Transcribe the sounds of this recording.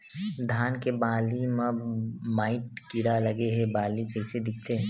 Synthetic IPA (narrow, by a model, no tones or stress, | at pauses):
d̪ʱaːnkebaːlimãmaːɪʈkɪɽalɐɡeɦɛbaːlikɐɦsed̪ɪk̚ʰt̪eɦɛ̃